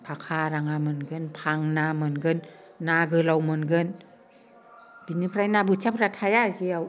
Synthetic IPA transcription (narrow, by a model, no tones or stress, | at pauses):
pʰakʰaːɾaŋamɯnɡɯnpʰaŋnamɯnɡɯnː | aɡɯlawmɯnɡɯn | binɯpʰɾajnaːbut͡ɕʰapɾat̪ʰajasiaw